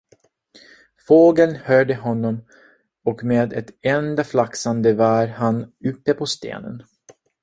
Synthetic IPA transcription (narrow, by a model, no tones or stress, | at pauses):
foːɡəlnhœːɖəɦɔnːɔm | ɔkmeːd̪ɛt̪ɛnd̪aflaksand̪əvaːɾhanɵpːəpʰɔst̪ḛːnə̰n